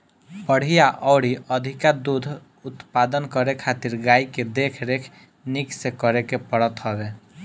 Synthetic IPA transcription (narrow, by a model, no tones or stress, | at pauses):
pəɽ̤ijaʔɔːɽiəd̪ʱɪkad̪ud̪ʱ | ʊt̪pad̪ənkəɾekʰaːt̪iɾɡaːiked̪ekʰɾekʰ | nɪksekəɾekepəɽət̪ɦɔʋe